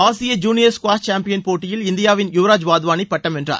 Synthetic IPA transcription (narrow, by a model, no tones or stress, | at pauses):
aːsɪjɐd͡ʒuːnɪjɐɾskʋaːt͡ʃaːmpɪjɐnpoːʈːɪjɪlɪnd̪ɪjaːʋɪnjʊʋɾaːd͡ʒʋaːðɯʋaːnipːɐʈːɐmɛndra̰ːɾ